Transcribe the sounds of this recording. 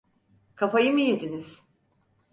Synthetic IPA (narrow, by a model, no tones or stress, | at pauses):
kʰafajɯmɯjed̪iniz̥